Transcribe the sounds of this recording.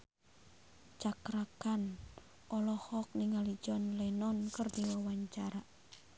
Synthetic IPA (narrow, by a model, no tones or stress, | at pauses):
t͡ʃakɾakan | ʔɔlɔhɔk̚niŋalid͡ʒɔnlɛnɔnkərdiwawaɲt͡ʃaɾa